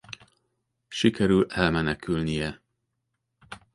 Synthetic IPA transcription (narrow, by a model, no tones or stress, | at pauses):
ʃikʰɛɾylɛlmɛnɛkylnijɛ